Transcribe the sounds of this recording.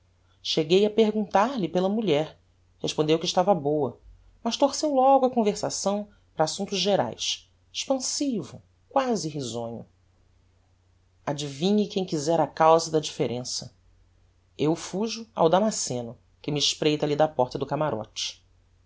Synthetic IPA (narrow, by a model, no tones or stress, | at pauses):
ʃeɡejɐpeɦɡũnt̪aɾlɪpelɐmuʎɛɾ | heʃpõnd̪ewkiʃt̪avɐbowɐ | mɐʃt̪oɾsewlɔɡʊɐkõveɾsasɐ̃w̃ | pɾɐasũnt̪ʊzʒeɾa̰js | e̥ʃpɐ̃sivʊ | kwazɪɦizõɲʊ̰ | ad͡ʒivĩɲɪkẽj̃kizɛɾakawzɐd̪ɐd͡ʒifeɾʔẽsɐ | ewfuʒʊa̰wd̪amasẽnʊ | kɪmɪːʃpɾejt̪ɐlid̪ɐpɔχt̪ɐd̪ʊkamaɾʔɔ̰t͡ʃɪ̥